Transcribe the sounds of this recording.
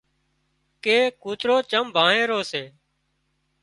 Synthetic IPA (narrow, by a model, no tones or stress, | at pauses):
keːkuːt̪ɾoːt͡ʃəmbʱaːɦẽːɾoːseː